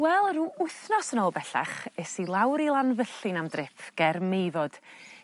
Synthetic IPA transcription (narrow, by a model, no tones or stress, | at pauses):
wɛlˠruːʊθnɔsənoːlˠbɛɬa̰χɛsilˠawɾilˠanvəɬɨnamdrɪfʰɡ̥ɛrmejvɔd̥